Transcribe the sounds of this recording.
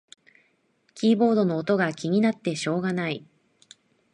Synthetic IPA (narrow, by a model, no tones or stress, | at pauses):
kʲiːbo̞ːd̪o̞no̞ːt̪o̞ɡakʲiɲ̟inat̪ːe̞ɕo̞ːɡanai